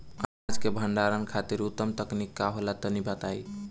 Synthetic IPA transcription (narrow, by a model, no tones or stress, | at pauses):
aad͡ʒkebʱəɳɖaɾənkʰat̪iɾut̪ːəmt̪əknikːaɦolat̪ɔnibat̪ai